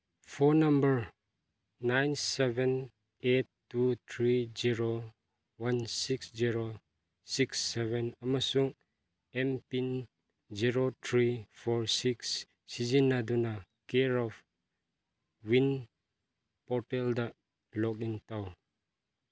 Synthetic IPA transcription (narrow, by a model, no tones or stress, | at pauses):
pʰɔnambəɾ | najnsebɛn | etː | ut̪ʰɾiziɾo | wansiksziɾo | siksːeβɛnamasuŋ | empin | ziɾotʰɾipʰɔɾsiksː | izinːaduna | keɾɔb | win | pɔɾtelda | lɔk̚intaw